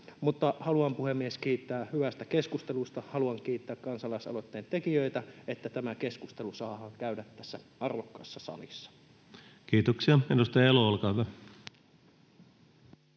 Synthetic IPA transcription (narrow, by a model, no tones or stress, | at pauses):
mut̪ːɑhɑluɑmpuhemːieskiːt̪ːæːhyʋæst̪ækeskust̪elust̪ɑhɑluɑŋkiːt̪ːæːkkɑnsɑlɑisɑ̰lot̪ːeːnt̪e̞kijøit̪æet̪ːæt̪æmæke̞skust̪elusɑːhɑːŋkæydæt̪ːæsːæ | ɑrʋokːɑ̰sːɑsɑ̰lḭsːɑ̥ | kiːt̪oksiɑenust̪ɑeloolkɑʋæ